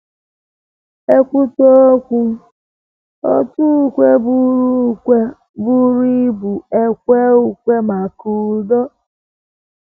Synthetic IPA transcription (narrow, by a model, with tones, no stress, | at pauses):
e˦kʷu˦to˦o˦kʷu˦ | ɔ̰˦tu˦˨kʷe˦bu˦ɾu˦e˦ | bu˦ɾu˦bu˨e˦kʷe˦u˨kʷe˦ma˨ku˨dɔ˦